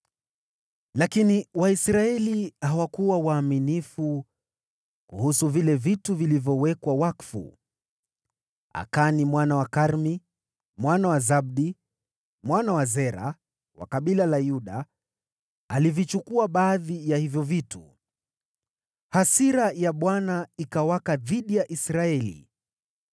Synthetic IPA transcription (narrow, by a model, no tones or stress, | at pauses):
lakiniwaisɾaɛlihawakuwawaːminifu | kuhusuvilɛvituvilivjɔwɛkwawakfṵ | a̰kanimwanawakaɾmi | mwanawazab̚ɗi | mwanawazɛɾa̰ | wa̰kaɓilalajuɗa | livit͡ʃukuaɓaːðijahivjɔvitu | hasiɾajaɓwanaikawakaðiɗijaʔisɾaɛlḭ